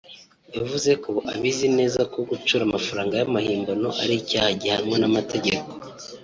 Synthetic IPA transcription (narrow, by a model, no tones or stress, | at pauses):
javuze̞kʰoʔa̰βizine̞ːzako̞ɡut͡ʃuːɾamafaɾaːŋɡajamahiːmbano̞ʔa̰ɾicaːhaɟihaɾimŋe̞namatʰe̞ɟeko̞